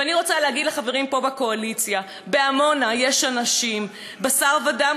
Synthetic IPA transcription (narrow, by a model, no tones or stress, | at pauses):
vaniʁo̞t͡salehaɡid̪leχaveʁimpo̞bako̞alit͡sja | be̞amo̞najeʃanaʃim | basaʁvada